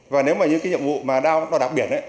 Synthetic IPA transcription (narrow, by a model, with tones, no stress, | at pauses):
vaː˨˩ne˨˦wmaː˨˩ɲɨ̰˧˥ŋkːaː˨˦ɲḭ˧˨əmvṵ˧˨maː˨˩ɗaː˧wɗɔ˨˧˦ɗaː˨˩p̚ɓi˦˩ənʔa˨˦j